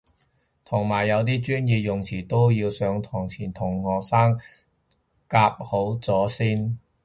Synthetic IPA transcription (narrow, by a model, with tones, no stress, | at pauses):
t̪ʰʊ˨˩ŋmaː˨˩jːɐ˨˧wt̪̬iː˥t͡ʃyː˥njiː˧pjʊ˨ŋt͡sʰiː˨˩t̪o˥wjiː˧wsœː˨˧ŋt̪ʰɔː˨˩ŋt͡sʰiː˨˩nt̪ʰʊ˨˩ŋhɔː˨˩k̚saː˥ŋ | kaː˧p̚ho˨˥wt͡sɔː˨˥siː˥n